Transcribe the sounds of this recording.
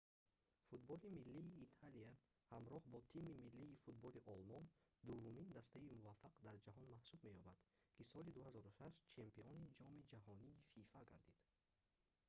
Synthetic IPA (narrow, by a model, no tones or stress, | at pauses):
fut̪̚bɔlimilːiːt̪ʰalia | hamɾɔhbɔt̪ʰimimilːiːfut̪̚bɔliʔɔlmɔnd̪uvːumind̪ast̪aimuvafːaqd̪aɾd͡ʒaɦɔnmahsubme̞jɔbad̪̥kʰisɔlid̪uhazɔɾuʃaʃt̪t͡ʃʰempiɔnid͡ʒɔmid͡ʒahɔniːfifaɡa̰ɾd̪id̪̥